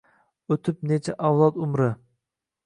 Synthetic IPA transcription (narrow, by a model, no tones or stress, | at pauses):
ɵt̪ʰɪp̚net͡ʃʰaʔawlˠɒt̪ʊmɾɪ